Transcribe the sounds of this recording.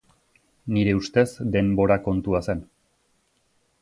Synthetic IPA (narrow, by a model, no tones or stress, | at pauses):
niɾe̞ust̪e̞sd̪e̞mbo̞ɾako̞nt̪uase̞n